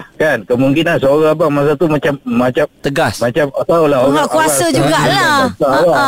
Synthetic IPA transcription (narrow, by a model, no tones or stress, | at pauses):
kankəmuŋkinansəoɾabaŋmãs̬at̪umãt͡ʃamːãt͡ʃamt̪əɡasmãt͡ʃamat̪aulaɦoakuassəd͡ʒuɡaʔlasawa